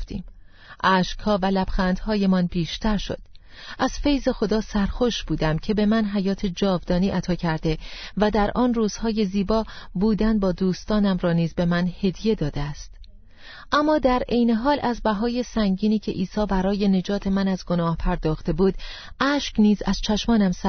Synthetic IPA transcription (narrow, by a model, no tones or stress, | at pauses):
t̪ḭːm | ʔæːʃkhɒːvælæb̥xæːnd̪hɒːje̞mɒnbiːʃt̪ʰæɾʃo̞̰d̪̥ʔæz̥fe̞jze̞xo̞d̪ɒːsæɾxo̞ʃbuːd̪æmcʰe̞be̞mænɦæjɒːt̪ʰe̞d͡ʒɒːvd̪ɒːniːʔæt̪ʰɒːcʰæɾd̪e̞væd̪æɾʔɒːnruːz̥hɒːje̞ziːbɒːbuːd̪ænbɒːd̪uːst̪ɒːnæmrɒːniːzbe̞mænhe̞d̪je̞d̪ɒːd̪eæst̪ | ʔæmːɒːd̪æɾe̞jne̞ɦɒːlæzbæɦɒːjesæŋɟiːniːcʰe̞ʔiːsɒːbæɾɒːje̞ne̞d͡ʒɒːt̪ʰe̞mænæzɡo̞nɒːhpʰæɾd̪ɒːxt̪e̞buːd̪ | ʔæːʃkniːzæz̥t͡ʃʰæʃmɒːnæmsæ